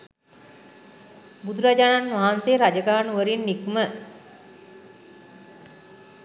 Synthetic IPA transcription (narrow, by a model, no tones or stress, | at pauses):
bud̪uɾad͡ʒaːnanʋaɦanseːɾad͡ʒəɡaːnuʋəɾinːikumə